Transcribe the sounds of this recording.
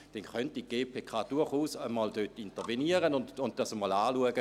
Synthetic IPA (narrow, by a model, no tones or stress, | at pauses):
d̥ɛnχœntiɡ̥eːpʰeːkʰɑːd̥uɐχuːsəmɔːldøtːintəʁʋeniəʁənʊnʊnd̚d̥ɑsəmɔːlaːluəɡə